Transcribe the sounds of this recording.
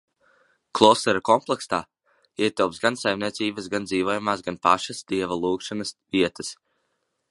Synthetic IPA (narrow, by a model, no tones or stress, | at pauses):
klˠɔːst̪ɛɾakɔmplˠɛkst̪aː | iɛt̪ɛwpsɡansajmnʲiɛt̪siːbəsɡand̪ziːvoɔjumaːsɡanpa̰ʃasd̪̥iɛvalˠuːkʃanasviɛt̪ə̥s